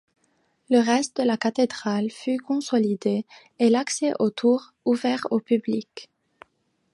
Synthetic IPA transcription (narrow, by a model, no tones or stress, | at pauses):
ləʁɛst̪̚d̪əlakat̪ed̪ʁalfykɔ̃sɔlid̪e | elaksɛʔot̪ʰuʁ | uvɛʁopyblik